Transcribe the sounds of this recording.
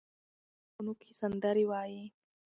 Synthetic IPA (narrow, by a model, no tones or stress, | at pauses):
ʊnukʰisɐnd̪ɐɾiwaːji